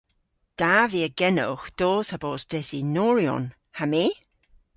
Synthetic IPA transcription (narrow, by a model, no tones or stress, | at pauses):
d̥aviːəɡɛnʊ̰wxd̪̥oːsaboːsd̥ɛsinɔːɹjɔ̰n | hamiː